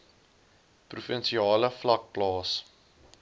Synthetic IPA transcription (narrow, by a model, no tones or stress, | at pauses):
prufənsiɑːləflɐk̚plɑːs